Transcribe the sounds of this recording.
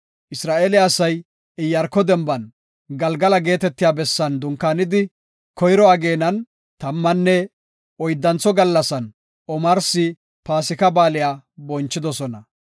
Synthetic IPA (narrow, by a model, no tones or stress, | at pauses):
ʔɪsɾaːʔeːlɪɐsɐj | ɪjːɐɾkːɔd̪ɛmbɐn | ɡɐlɡɐlɐɡe̞ːt̪ɛt̪ːɪjaːbɛsːɐnd̪ʊŋkːaːnɪd̪ɪ | kɔjɾɔaɡe̞ːnɐn | t̪ɐmːɐnːɛ | ɔjd̪ːɐnt͡sːɔɡɐlːɐsɐn | ʔɔmɐɾsɪ | paːsɪkɐbaːlɪjaːbɔnt͡ʃːɪd̪ɔsɔnɐ